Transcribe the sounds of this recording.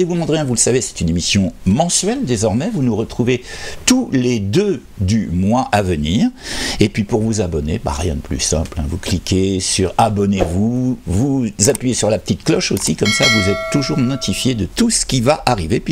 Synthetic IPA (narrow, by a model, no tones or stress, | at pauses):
evud̪mɑ̃d̪ʁjɛ̃vuləsavesɛ̥t̪ynemisjɔ̃mɑ̃sɥɛld̪ezɔʁmɛvunuʁət̪χuvet̪uled̪ø | d̪ymwaʔavəniːʁepɥipuʁvuzabɔnḛba̰ʁjɛ̰̃d̪əply̰sɛ̰̃plɛ̰̃vuklikʲesyʁabɔnevuvuzapɥijesyʁlapə̥t̪it̪klɔʃosikɔmsavuzɛt̪ːuʒuʁnɔt̪ʰifjed̪ət̪usə̥kʲivaʔaʁivepɥi